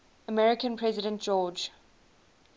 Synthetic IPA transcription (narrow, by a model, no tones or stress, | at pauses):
əmɛɹɪkə̃npʰɹ̥ɛzɪɾə̃ntd͡ʒ̥ɔːd͡ʒ